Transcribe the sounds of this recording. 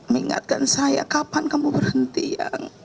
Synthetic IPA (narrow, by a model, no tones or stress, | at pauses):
miŋa̰t̪̚kansaja̰kapankamubərhənt̪ijaŋ